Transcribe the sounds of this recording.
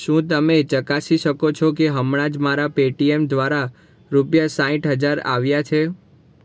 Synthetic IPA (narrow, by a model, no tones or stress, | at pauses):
ʃũt̪əmet͡ʃəkasiʃəkot͡ʃʰɔk̬eɦəmɽãd͡ʒmaɾapeʈiemd̪ʋaɾa | ɾupjasãɦĩʈɦəd͡ʒaɾa̰ʋjat͡ʃʰe